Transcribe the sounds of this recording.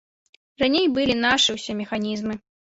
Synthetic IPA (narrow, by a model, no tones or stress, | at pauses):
ranʲejbɨlʲinaʂɨwsʲɛmʲɛxanʲizmɨ